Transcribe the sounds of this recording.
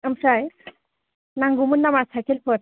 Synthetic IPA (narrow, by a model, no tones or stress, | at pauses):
əmsaje | nãŋɡumunːamasʰakelpəɾ